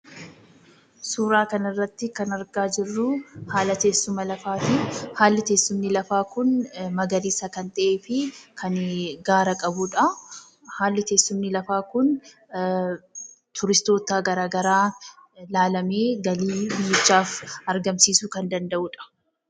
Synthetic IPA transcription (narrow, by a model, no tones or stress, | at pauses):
suːɾaːkɐnɪrːɐt̪ːɪkɐnɐɾɡaːd͡ʒɪrːʊhaːlɐt̪e̞ːsːʊmɐlɐfaːt̪ɪhaːlːɪt̪eːsːʊmnɪlɐfaːkʊnmɐɡɐɾiːsɐkɐnt̪ʼɐʔeːfɪkʰɐnɡaːɾɐkʼɐbuᶑɐ | haːlːɪt̪e̞ːsːʊmnɪlɐfaːkʊn | t̪ʰʊɾɪst̪o̞ːt̪aːɡɐɾaːɡɐɾaː | laːlɐmeːɡɐliːbɪjːɛt͡ʃːaːfɐɾɡɐmsiːsukɐnd̪ɐnd̪ɐʔuːᶑɐ̥